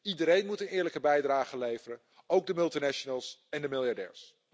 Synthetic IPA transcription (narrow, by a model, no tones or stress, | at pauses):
idəɾejnmutənɪːɹləkəbɛjdraːχəlejvərən | owɡ̚dəmɵlˠtinɛʃənəlˠsɛndəmɪlˠjɑɹdɛ̰ːɹs